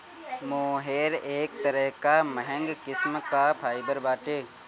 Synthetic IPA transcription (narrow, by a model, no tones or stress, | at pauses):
mõːɦeːɾeːk̚t̪əɾəɦkaməɦə̃ŋɡkɪsmk̪aːpʰaːɪbəɾbaːʈeː